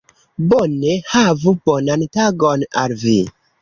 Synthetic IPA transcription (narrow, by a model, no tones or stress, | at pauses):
bonehavubonantaɡona̰lvḭ